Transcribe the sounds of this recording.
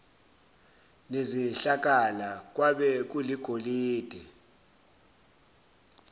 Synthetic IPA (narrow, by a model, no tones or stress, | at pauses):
neziɬak̬ʼalak̬ʼwaɓɛk̬uliɡ̥ʱoliːd̥ʱɛ